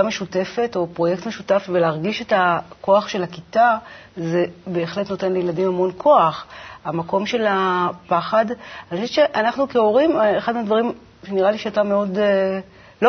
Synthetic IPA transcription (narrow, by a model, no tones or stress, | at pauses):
ameʃute̞fe̞to̞pʁo̞jek̚tmeʃutafveleːʁɡiʃe̞tako̞aχʃe̞lakita | ze̞be̞ːχle̞tno̞te̞nlejeladimhamo̞nkʰo̞aχamako̞mʃe̞lapaχadanixoʃett͡ʃe̞ʔanaχnukeo̞ʁimeχadmeadvaʁim | ʃeniʁaliʃeatame̞o̞d | lo